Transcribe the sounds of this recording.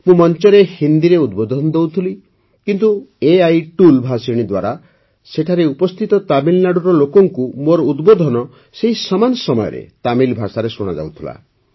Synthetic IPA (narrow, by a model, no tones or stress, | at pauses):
mũmɔnt͡ʃɔɾehind̪iɾeud̪bod̪ʱɔnɔd̪ewt̪ʰili | kint̪ueajʈulbʱasiɽ̃id̪waɾa | seʈʰaɾeupɔst̪ʰit̪ɔt̪abilnaɽuɾɔlokɔŋkumoɾɔud̪bod̪ʱɔnɔ | seɦisɔmanɔsɔmɔjɔ̰ɾḛt̪amilbʱasaɾesuɽ̃a̰d͡ʒa̰wt̪ʰila̰